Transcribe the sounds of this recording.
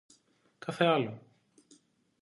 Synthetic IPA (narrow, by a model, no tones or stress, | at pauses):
kɐθeɐlo